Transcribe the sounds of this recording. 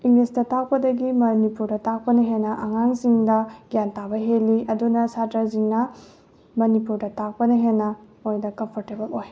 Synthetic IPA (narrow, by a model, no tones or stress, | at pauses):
iŋlestɐtak̚pɐdɐɡimɐnipuɾdɐtak̚pɐnɐɦenːɐʔɐŋaŋsiŋdɐɡijantabɐɦelːiɐdunɐsatɾɐziŋnɐ | mɐnipuɾdɐtak̚pɐnɐɦenːɐ | ojdɐkɐmpʰoɾtebɐloj